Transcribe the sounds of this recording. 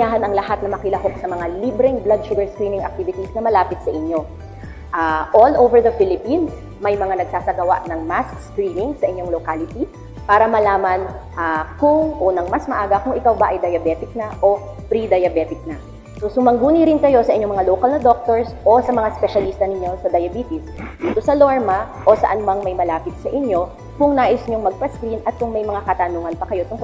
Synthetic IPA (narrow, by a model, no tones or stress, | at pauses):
aːɦɐnɐŋlɐhat̪̚nɐmɐkɪlɐhoksɐmɐŋalibɾɛŋblad̪̚ʃʊɡɐɹskɾiːmɪŋɐ̰k̚t̪ivɪt̪isnɐmɐlaːpɪt̪̚sɐʔɪɲːo̞ | ʔaʔolʔowvɛɹd̪ɐfilɪpins | mɐjmɐŋanɐɡ̚saːsɐɡɐwa̰ʔnɐŋmaskskɾiːmɪŋsɐʔɪɲjo̞ŋlokaːlɪt̪i | paːɾɐmɐlaːmɐnʔakʊŋʔonɐŋmɐsmɐʔaːɡɐkʊŋʔɪkawbɐʔɐjd̪ɐjɐbɛt̪ɪk̚nɐʔo̞ | pɾid̪ɐjɐbɛt̪ɪk̚nɐ | sosʊmɐŋɡuːniɾɪnkɐjo̞sɐʔɪɲomɐŋaloːkɐlnɐd̪o̞k̚t̪oɹsʔo̞sɐmɐŋaspɛʃɐlist̪ɐnɪɲjo̞sɐd̪ɐjɐbiːt̪ɪsd̪iːt̪o̞sɐloɹmɐ | ʔo̞sɐ̰ʔɐnmɐŋmɐjmɐlaːpɪt̪̚sɐʔɪɲjo̞ | kʊŋnaːʔɪsɲoŋmɐɡ̚pɐskɾinʔɐt̪̚kʊŋmɐjmɐŋakɐt̪ɐnuːŋɐnpɐkɐjo̞t̪ʊŋk